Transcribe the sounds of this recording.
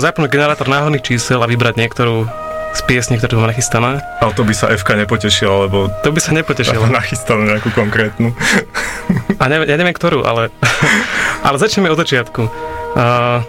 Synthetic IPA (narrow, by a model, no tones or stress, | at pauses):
zapnuɟɡɛnɛɾaːt̪ɔɾnaːɦɔd̪nixt͡ʃiːsɛlaʋibɾaɟɲɪɛkt̪ɔɾuː | spɪɛsɲikt̪ɔɾuːamanaxist̪anɛːʔat̪ɔbisaʔɛfkaɲɛpɔcɛʃilalɛbɔt̪ɔbisaɲɛpɔcɛʃilanaxist̪anuɲɛakukɔŋkɾɛːt̪nu | aɲɛʋjaːɲɛʋɪɛmkt̪ɔɾuːʔa̰lɛ | ʔa̰lɛzat͡ʃɲɛmɛɔd̪zat͡ʃɪat̪ku